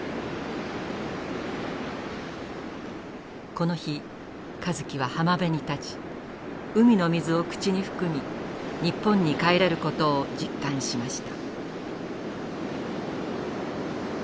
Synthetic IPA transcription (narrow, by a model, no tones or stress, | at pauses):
ko̞no̞çi | kazɨkʲiβ̞ahamabe̞ɲ̟it̪at͡ɕi̥ | ɯ̟mʲino̞mʲizɨo̞kɯ̟̥t͡ɕiɲ̟iɸɯ̟̥kɯ̟mʲiɲ̟ipːõ̞ɲ̟ːikaeɾe̞ɾɯ̟ko̞t̪o̞ːd͡ʑikːãɰ̃ɕimaɕi̥t̪ḁ